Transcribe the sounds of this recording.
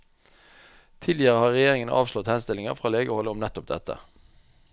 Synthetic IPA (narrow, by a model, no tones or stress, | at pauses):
t̪ʰɪlɪəʁəhɑːʁɛjeːʁɪŋənəʔɑ̰ːʋslɔt̪hɛnst̪ɪlɪŋəʁfʁɑːleːɡəhɔləɔmnɛt̪ʊp̚d̪ɛ̰t̪ə̰